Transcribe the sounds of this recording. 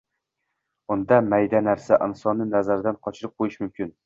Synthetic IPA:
und̪ɑmæjd̪ænæɾsæʔɪnsɒnːɨnæzæɾd̪ænqʰɒt͡ʃʰɪɾɨp̚qʰojɪʃmʊmkʲɪn

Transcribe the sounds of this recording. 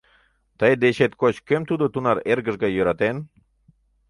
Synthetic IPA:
t̪ɑjd̪eʃet̪kot͡ɕkʲømt̪ud̪ot̪unɑɾerɡə̆ʒɡɑjøɾɑt̪en

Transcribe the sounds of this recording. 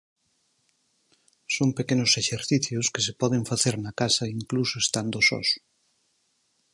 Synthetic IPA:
soŋpekenʊseʃeɾθiθjʊskesepɔðeɱfaθeɾnɐkasɐiŋklusoest̪and̪osɔ̰s

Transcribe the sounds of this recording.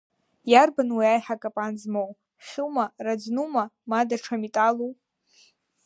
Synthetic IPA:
jarbanwiajħakʼapʼanzmow | χʲʊwmarad͡znumamadaʈ͡ʂʰamitʼalu

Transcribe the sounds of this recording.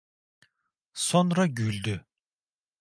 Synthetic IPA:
sonɾɑɡylʲd̪y

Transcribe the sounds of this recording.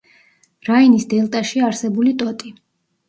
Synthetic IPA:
ɾainisd̪ɛlˠt̪ʼaʃiaɾsɛbulit̪ʼɔt̪ʼi

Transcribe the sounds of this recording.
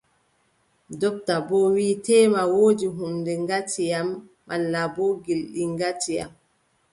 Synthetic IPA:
dɔp̚tabɔwiːtɛːmawoːd͡ʒiɦumdɛŋɡatijamː | alːabɔɡilɗiŋɡatija̰m

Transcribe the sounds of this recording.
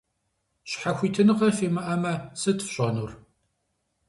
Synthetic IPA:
ɕħaxʷiːtʰɨnɨqɐfiːmɐʔɐmɐsɨtʰfɕʼɔnur

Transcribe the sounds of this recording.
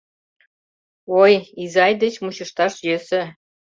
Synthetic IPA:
ojizɑjd̪et͡ɕmut͡ɕɤ̆ʃt̪ɑʃjøsĕ

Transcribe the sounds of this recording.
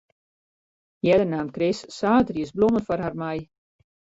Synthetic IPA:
jɛdənaːmkrɪssaːtriəsblomənfɔrharmaj

